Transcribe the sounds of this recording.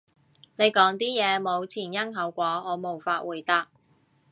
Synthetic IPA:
ne˨˧jkɔː˨˥ŋt̪iː˥jɛː˨˧mo˨˧wt͡sʰiː˨˩njɐ˥ŋɦɐ˨˥wkʷɔː˨˥ɔː˨˧mo˨˩wfaː˧t̚wuː˨˩jt̪a˧˥k̚

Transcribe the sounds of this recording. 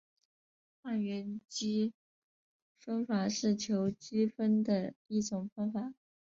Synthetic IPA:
xa˥˩nɥɛ˧˥nt͡ɕi˥ | fə˥nfa˨˩˦ʂɻ̩˥˩t͡ɕʰjo˧˥ʊt͡ɕi˥fə˥nd̪ə˨i˥˩ʈ͡ʂʊ˨˩ŋfə˥nfa˨˩˦

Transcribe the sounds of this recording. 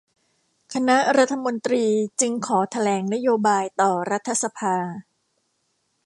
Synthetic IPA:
kʰa˧na˦˥ʔɾa˦˥t̪ʰːa˧mo˧nt̪ɾiː˧t͡ɕɯ˧ŋkʰɔː˩˦t̪ʰa˧lɛː˩˦ŋna˦˥joː˧baː˧jt̪ɔː˨˩ɾa˦˥t̪ʰːa˧sa˧pʰaː˧

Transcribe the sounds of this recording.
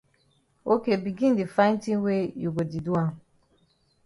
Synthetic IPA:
o˦ke˨bi˨ɡĩ˦n˦di˨fã˦n˦tĩ˦n˦we˦jo˨ɡo˨di˨du˦a˦˨

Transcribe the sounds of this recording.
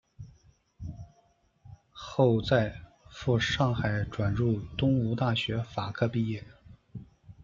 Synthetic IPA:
xo˥˧ʊt͡sa˥˧ɪ | fu˥˧ʂɑ˥˩ŋxa˨˩ɪʈ͡ʂwa˨˩nɻu˥˩t̪ʊ˥ŋu˧˥t̪a˥˩ɕɥɛ˧˥fa˨˩kʰɤ˥˧pi˥˧jɛ˥˩

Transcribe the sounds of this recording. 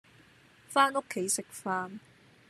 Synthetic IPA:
faː˥no˥kʰːe˨˥jsɪ˨k̚faː˥n

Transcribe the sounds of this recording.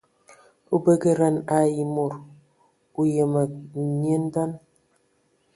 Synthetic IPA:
u˦bə˦ɡə˦ɾa˦˨na˨ji˨mo˨ɾ | u˦je˨mə˨ɲ˦e˦n˦da˦n

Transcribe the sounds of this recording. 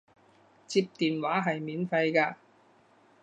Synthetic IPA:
t͡siː˧p̚t̪iː˨nwaː˨˥ɦɐ˨jmiː˨˥nfɐ˧jkaː˧

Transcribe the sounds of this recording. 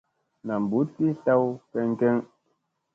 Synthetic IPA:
na˨m̩˨bu˨˦ti˦ɬa˦wkɛ˦ŋ̩˦kɛ˦ŋ

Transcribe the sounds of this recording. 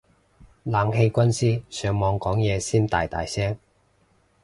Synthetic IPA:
laː˨˧ŋhe˧jkʷɐ˥nsiː˥sœː˨˧ŋmɔː˨˧ŋkɔː˨˥ŋjɛː˨˧siː˥nt̪a̰ː˨jt̪a̰ː˨jsɛː˥ŋ

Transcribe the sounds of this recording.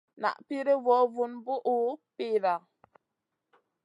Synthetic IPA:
na̰˨ʔpi˦ɾe˦vɔ˨˦vu˨nbu˦ʔu˨˦pi˦˨ɾa˨

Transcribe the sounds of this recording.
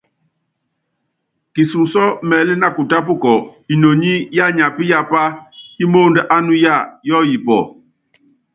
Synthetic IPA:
ki˨su˨sɔ˦mɛ˨li˦na˦˨ku˨ta˦p̬u˦˨kɔ˨i˨no˨ɲi˦ja˦˨ɲa˨pi˦ja˦˨pa˦hi˦mo˦˨ndɛ˦ʔa˦nu˦ja˦˨jɔ˦ji˨pɔ̰˨

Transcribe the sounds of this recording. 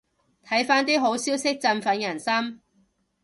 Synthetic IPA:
t̪ʰɐ˨˥jfaː˥nt̪iː˥ɦo˨˥wsiː˥wsɪ˥k̚t͡sɐ˧nfɐ˨˧˥njɐ˨˩nsɐ˥m

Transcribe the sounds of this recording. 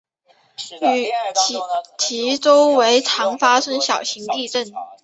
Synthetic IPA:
y˨˩˥ | t͡ɕʰi˧˥ʈ͡ʂo˥ʊwe˧˥ɪʈ͡ʂʰɑ˧˥ŋfa˥sə˥nɕjɑ˨˩ʊɕi˧˥ŋt̪i˥˧ʈ͡ʂə˥˩n

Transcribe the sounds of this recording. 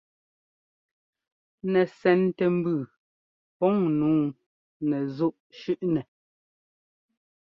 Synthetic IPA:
nɛ˨sɛ˨˦ntɛ˨m̩˦bʉ˨ | pɔ˨˦ŋnuː˨˦ | nɛ˨zu˦ʔʃʉ˦ʔnɛ˨

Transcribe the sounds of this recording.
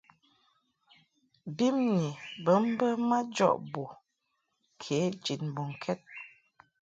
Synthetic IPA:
bi˦mni˨bə˨˦m̩˦bə˦ma˦d͡ʒɔ̰˦ʔbo˨ | kʰe˨˦d͡ʒi˨n˨bo˨ŋ̩˨kʰɛ˦t̚

